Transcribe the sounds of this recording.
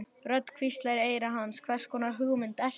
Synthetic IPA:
rœt̪kʰvist̪laɾɪeːjɾaɦanskʰvɛr̥skɔːnaɾɦʏɣmɪnt̪ɛl

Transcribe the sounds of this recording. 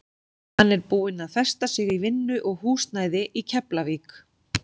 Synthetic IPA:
hanːɛɾpuːɪnaðθɛ̥st̪asɪɣivɪnːʏʔɔɣhuːst̪naːjðɪʔicʰɛplaviːk

